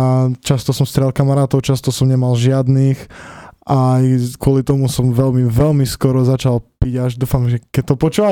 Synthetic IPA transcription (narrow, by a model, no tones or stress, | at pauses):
t͡ʃast̪ɔsɔmst̪ɾɛlkamaɾaːt̪ɔʊt͡ʃast̪ɔsɔmɲɛmalʒɪad̪nixʔajkʊɔlit̪ɔmusɔmʋɛlmiʋɛlmiskɔɾɔzat͡ʃalpiɟaʒd̪uːfamʒɛkɛt̪ɔpɔt͡ʃuːʋa